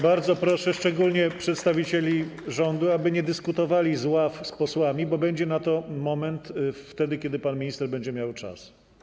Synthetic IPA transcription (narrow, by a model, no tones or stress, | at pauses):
baɾd̪zɔpɾɔʂɛʂt͡ʂɛɡulɲɛpʂɛt̪st̪avʲit͡ɕelʲiʐɔnd̪uabɘɲɛd̪ɘskut̪ɔvalʲizwafspɔswamʲibɔbɛɲd͡ʑɛnat̪ɔmɔmɛnt̪ft̪ɛd̪ɘkʲɛd̪ɘpanmʲiɲist̪ɛɾbɛɲd͡ʑɛmʲjawt͡ʂa̰s